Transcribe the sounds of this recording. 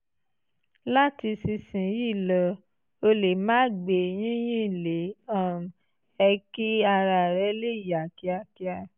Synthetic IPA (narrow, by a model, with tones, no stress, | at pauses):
la˦ti˧si˧sĩ˨ji˦˨lɔ˧ | o˧le˨mãː˦ɡ͡be˨j̃ĩ˦j̃ĩ˦˨le˨˦ɔ̃˦˨ | ɛ˧ki˦a˧ɾa˨ɾɛ˧˦le˦˨ja˨ki˧a˧ki˧a˧